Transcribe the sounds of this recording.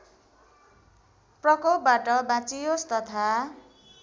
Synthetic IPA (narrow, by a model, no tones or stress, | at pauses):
prʌkop̚baʈʌbãt͡sijost̪ʌt̪ʰa